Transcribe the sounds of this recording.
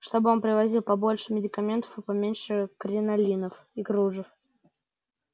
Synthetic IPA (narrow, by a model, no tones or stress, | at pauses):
ʂt̪o̞bɨo̞npɾʲɪvɐzʲilˠpɐbo̞lʲʂɨmʲɪdʲɪkɐmʲe̞nt̪ə̥fɨpɐmʲenʲʂɨkɾʲɪnɐlʲinəf | iɡɾuʐɨf